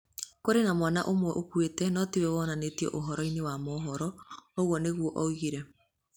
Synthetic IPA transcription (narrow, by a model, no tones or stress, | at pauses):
koɾenamwanaʔomwɛʔokwetɛnɔtiwɛβɔnanetiɔ̰ʔoɦɔɾɔinewamɔɦɔɾɔoɣwɔneɣwɔʔɔɣiɾɛ